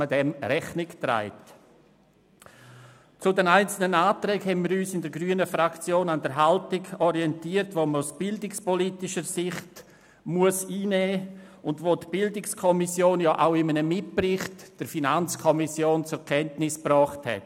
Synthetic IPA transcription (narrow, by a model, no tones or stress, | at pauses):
ədɛmɾɛχnɪktɾa̰ɪt | t͡sʊdɛnaɪnt͡sl̩nənaːtɾɛːkhɛnmiːɾyːsɪndəɾɡryːənəfɾakt͡sjoːnandəɾɦaltɪɡɔɾiɛntiːəɾtvoməʊsb̥ɪldɪkspɔliːtɪʃəɾsɪχt | muəsiːnɛːʊndvoːtb̥ɪldɪkskʰɔmisjoːnjɑːʔaʊɪmənəmɪt̚prɪχtd̥əɾfinant͡skʰɔmɪsjoːnt͡sʊɛɾkʰɛntnɪsprɔːχthɛ̰t